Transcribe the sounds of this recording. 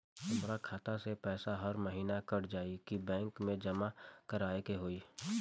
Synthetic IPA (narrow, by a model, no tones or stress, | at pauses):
t̪ʊmɾakʰaːt̪asepɛːsaɦəɾməɦiːnakɐɾd͡ʒaːikibɛ̃ːŋkmẽd͡ʒɐmakəɾaːekeɦoːiː